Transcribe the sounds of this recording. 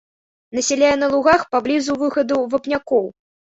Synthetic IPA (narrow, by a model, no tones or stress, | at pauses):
nɐsʲɛlʲajɛnɐlˠuɣaxpablʲizuvɨxɐd̪uvɐpnʲakɔw